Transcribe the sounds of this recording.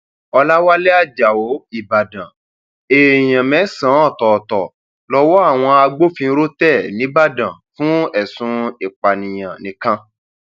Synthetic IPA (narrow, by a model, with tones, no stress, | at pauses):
ɔ˧la˦wa˦le˦a˦˨d͡ʒa˨o˨˦i˦˨ba˨dã˨ | e˨j̃ã˨mɛ̃˨˦sã˨˦ɔ˦˨tɔ˨tɔ˨ | lɔ˧˦wɔ˦a˦˨w̃ɔ̃˧a˧ɡ͡bo˦fĩ˧˦ɾo˦tɛ˦˨nĩ˨˦ba˦˨dã˨fũ˦ɛ˦˨sũ˧e˨k͡pa˨nĩ˨j̃ã˨nĩ˨kã˧